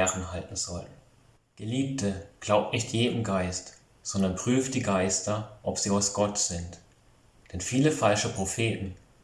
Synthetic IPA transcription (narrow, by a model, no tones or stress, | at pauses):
ɛʁən̩ɦaltn̩z̥ɔlən | ɡ̥əliːp̚tʰəɡ̥laʊp̚tnɪçtjeːdəm̩ɡaɪst | z̥ɔndɐnpʁ̥yːft̚d̥iːɡaɪstɐʔɔpz̥iːaʊsɡ̥ɔtz̥ɪnt | d̥ɛnfiːləfalʃəpʁ̥ofeːtn̩